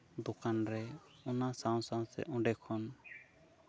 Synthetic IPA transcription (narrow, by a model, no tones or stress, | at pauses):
d̪okanɾɛ | ɔnasaw̃saw̃sɛ̰ʔɔ̃ɖɛkʰɔn